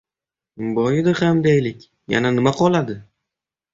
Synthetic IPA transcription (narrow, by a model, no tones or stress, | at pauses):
bɒjɪd̪ɪχamd̪ajlɪkʲ | ja̰nanɪmaqʰɒlˠad̪ɪ